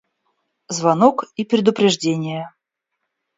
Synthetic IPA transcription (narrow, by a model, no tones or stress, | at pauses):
zvanokipɾʲɪd̪ʊpɾʲɪʐdʲenʲɪjə